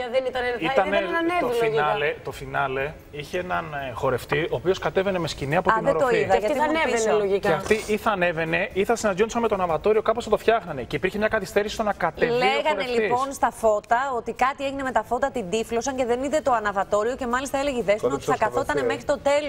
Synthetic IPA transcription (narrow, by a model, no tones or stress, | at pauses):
ðenit̪ɐit̪ɐnneolinɐlet̪o̞finɐle̞ | içeenɐnxo̞ɾe̞ft̪ioːpio̞skɐt̪e̞ve̞ne̞mesciniɐpo̞t̪ðneɾod̪oiðɐʝɐt̪iloʝikeɐft̪iʔiθɐːne̞ve̞ne̞iθɐsinɐd̪ʝonsɐnmet̪oɐnɐvɐt̪o̞ɾio̞kɐposθɐt̪o̞fçɐxnɐne̞ceipiɾçemɲɐkɐθist̪eɾisi̥st̪o̞nɐkɐt̪eleɣɐnɾelipo̞nst̪ɐfo̞t̪ɐo̞t̪ikɐt̪ieʝine̞me̞t̪ɐfo̞t̪ɐt̪ind̪iflosɐɲceðe̞niðe̞t̪o̞ɐnɐvɐt̪o̞ɾio̞ce̞mɐlist̪ɐeleʝeiðesnɐotiθɐkɐθot̪ɐnemexɾit̪o̞t̪e̞l